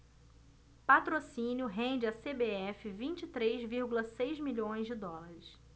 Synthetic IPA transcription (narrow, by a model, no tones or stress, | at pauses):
pat̪ɾosĩnjʊɦẽnd͡ʒɪasebeɛfɪvĩnt͡ʃit̪ɾejzviɾɡulɐsejzmiʎõj̃zd͡ʒɪd̪ɔlaɾɪs